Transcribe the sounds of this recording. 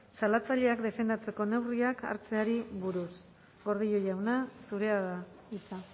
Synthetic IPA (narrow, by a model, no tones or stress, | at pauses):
salat͡saʎeakd̪e̞fe̞nd̪at͡se̞ko̞ne̞wriaka̰ɾt͡se̞aɾiβuɾus | ɡo̞ɾð̞iʎojawnasuɾe̞aða | it͡sa